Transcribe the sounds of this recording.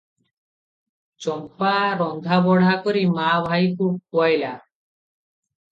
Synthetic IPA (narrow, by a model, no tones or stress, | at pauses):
t͡ɕɔmpaɾɔŋd̪ʱabɔɽ̤ʱakoɾimabʱajkupoajla